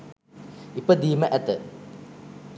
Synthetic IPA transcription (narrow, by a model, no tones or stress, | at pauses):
ipəd̪iːməʔæt̪ə